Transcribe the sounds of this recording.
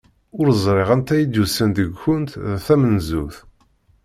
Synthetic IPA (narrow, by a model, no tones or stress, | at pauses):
ʊɾzˤɾˤeʁænt̪æjid̪ːusənd̪əɡʷçʊnt̪ðæθæmənzṵθ